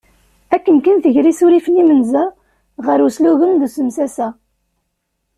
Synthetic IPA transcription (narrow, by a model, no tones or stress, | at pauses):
ækːənkənθəʝɾisuɾifənimənzæ | ʁəɾusluɣənðusəmsæsæ